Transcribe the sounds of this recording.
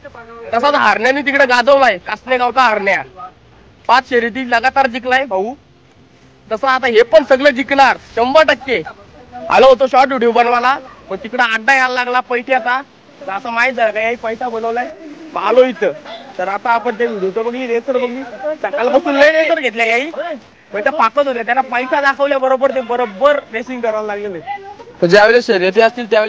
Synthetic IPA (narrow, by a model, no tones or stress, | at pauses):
t̪əsat̪ɦaɾɳjanːit̪̬ikɽaɡad͡zəʋlajekasneɡawt̪aɦaɾɳja | bat̪ɕəɾit̪̬iːləɡat̪aɾd͡ʑiklajebʱəu | t̪əsaːt̪aɦepəɳsəɡləd͡ʑiklaɾt͡ɕəmbəʈəkːe | ə̰lot̪oɕɔʈɖuɽiʋbənʋalaməɳt̪ikɽaːɡnajallːaɡlapəjʈʰiat̪a | t̪əəsamaid͡zakajaɦiːpəjsaboləʋlajʋaloɦit̪əːt̪əɾat̪aːpəɳt̪eɡuɽ̤uʋt̪əməɳmiɾet͡səɾbəɡiːsakalabəsuːnləjɾet͡səɾɡʱet̪ljajaɦiː | məɳt̪apakət̪ɦot̪at̪jalapəjsad̪akʰəʋljabəɾobəɾt̪ẽbəɾobəɾɾesĩŋɡkəɾalalaɡlelet̪əd͡ʑjaʋeleɕəɾet̪eəst̪iːlt̪jaʋel